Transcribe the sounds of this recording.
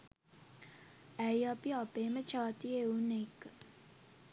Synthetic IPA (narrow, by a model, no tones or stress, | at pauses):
æiapiapeːmət͡ʃaːt̪ieunekːə